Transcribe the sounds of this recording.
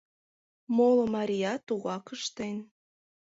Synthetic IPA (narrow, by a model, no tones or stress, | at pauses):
molŏmɑɾʲijɑt̪uɣɑkəʃt̪en